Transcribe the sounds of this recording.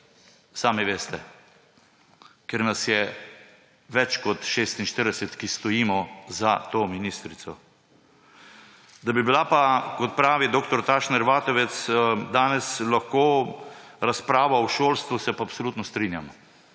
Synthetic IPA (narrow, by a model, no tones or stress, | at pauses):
saːmiʋeːst̪ɛ | keɾnasjɛ | ʋɛt͡ʃkɔt̪ʃeːst̪inʃt̪əɾd̪ɛsɛt̪kist̪ɔjiːmɔzat̪oːminist̪ɾit̪sɔ | d̪abibilapakɔt̪̚pɾaːʋid̪oːkt̪ɔɾt̪aːʃnɛɾʋaːt̪ɔʋɛt̪sd̪aːnɛslaxkoː | ɾaspɾaːʋawʃoːlst̪ʋusɛpaːpsɔlut̪nɔst̪ɾinja̰m